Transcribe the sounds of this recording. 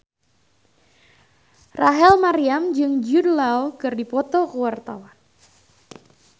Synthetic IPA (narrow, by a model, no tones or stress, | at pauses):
raɦɛlmaɾiamd͡ʒɨŋd͡ʒudlawkɨrdipɔt̪ɔkəwart̪awan